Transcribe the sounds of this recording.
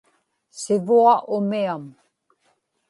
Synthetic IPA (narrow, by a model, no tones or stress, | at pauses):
sɪvuaʔʊmiam